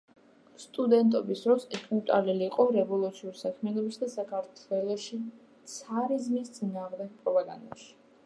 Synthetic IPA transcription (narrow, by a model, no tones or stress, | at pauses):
st̪ʼud̪ɛnt̪ʼɔbisd̪ɾɔsɛt̪ʼut̪ʼalɛliːqʼɔɾɛvɔlˠut̪sʰiuɾisakʰmianɔbisd̪asakʰaɾt̪ʰwɛlˠɔʃi | t̪sʰaɾizmist̪sʼinaːʁmd̪ɛɡ̚pʼɾɔpʼaɡa̰nd̪aʃi̥